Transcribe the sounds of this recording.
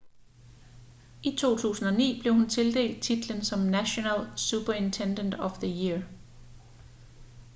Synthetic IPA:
ʔit͡sʰo̝̰ːt͡sʰṵːsn̩ɒ̽nḭːb̥le̝ʊhunt͡sʰe̝ld̥e̝̰ːld̥̚t͡sʰid̥lənsɒ̽mnæɕo̝nælsub̥ɐe̝nt͡sʰend̥ənd̥ɒfðəjiɐ

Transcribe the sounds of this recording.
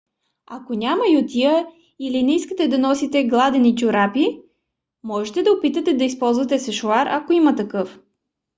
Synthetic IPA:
ɐkonʲamɐjot̪iə | ilinɛiskət̪ɛd̪ɐnɔsit̪ɛɡlˠad̪ɛnit͡ʃʊɾapi | mɔʒɛt̪ɛd̪ɐopit̪ət̪ɛd̪ɐispɔlˠzvɐt̪ɛsɛʃʊaɾʔɐ̰koimɐt̪ɐkɤf

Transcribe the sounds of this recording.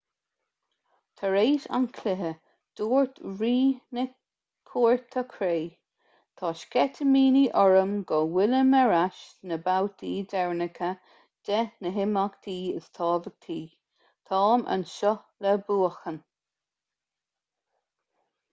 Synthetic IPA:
t̪ʰəɹeːsa̰ŋkʰlɪɦə | d̪̥oːɹt̪ɹiːnə | kʰuːɹt̪ʰəkʰɾeː | t̪ʰɑːʃkɛt̪ʰəmiːniʔɔɹəmɡɔwɪləməɹaʃnəbawt̪ʰiːdɛɹnəkʰə | d̥̪ɛnəɦɪmakt̪ʰiːɪ̰st̪ʰɑːvəɡ̥̚t̪ʰiː | t̪ʰɑːmʔə̰nʃɔ | lɛbuːəxən

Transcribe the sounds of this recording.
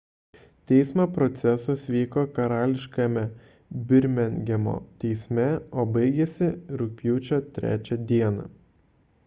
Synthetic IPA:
t̪ʲɛɪsmɑpɾɔt̪sʲɛsɐsʋʲiːkoːkɐɾɑːlʲɪʃkɐmʲɛ | bʲɪɾʲmʲɛnʲɡʲɛmo̰ːt̪ʲɛɪsʲmʲɛoːbɐɪɡʲɛsʲɪɾʊk̚pʲjuːt͡ʃʲoːt̪ʲɾʲæ̰ːt͡ʃʲɛd̪ʲiɛnɑ̰

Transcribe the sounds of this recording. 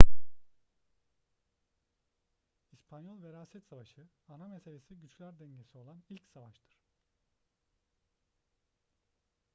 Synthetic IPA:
ispʰanjolˠveɾaːsɛt̪savaʃɯanamese̞lʲe̞siɟyt͡ʃlʲæɾd̪ɛɲɟe̞sio̞lˠanilʲcsavaʃt̪ʰɯɾ̥

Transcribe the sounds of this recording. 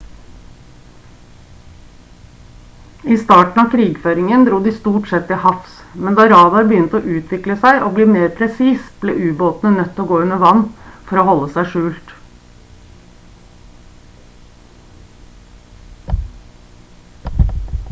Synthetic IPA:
iːst̪ɑːʈn̩ɑːkʰɾiːɡføːɾɪŋənd̪ɾuːd̪iːst̪uːʈsɛt̪ːɪhɑfs | mɛnd̪ɑːɾɑːd̪ɑɾbəjʏnt̪əoːʔʉːt̪ʰʋɪkləsæɪʔoːbliːmeːɾpʰɾɛsiːsb̥lḛːʔʉːboːt̪n̩ənœt̪ːoːɡoːʉnəʋɑnːfɔɾoːhɔlːəsæɪʂʉːlt̪

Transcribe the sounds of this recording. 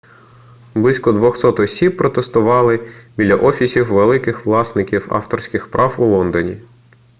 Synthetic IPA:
blˠisʲkɔd̪ʋɔxsɔt̪ɔsʲippːɾɔt̪est̪ʊʋɑlˠɪbʲidlʲɐʔɔfʲisʲiwʋelˠɪkɪxʋlˠɑsnɪkʲiwɑ̰ft̪ɔrsʲkɪxpɾʔɑwulˠɔnd̪ɔnʲḭ

